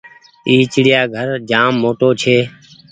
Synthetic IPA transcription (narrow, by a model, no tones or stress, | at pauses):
iːt͡ʃɽɪjaːɡʱəɾd͡ʒaːmːoːʈoːt͡ʃʰeː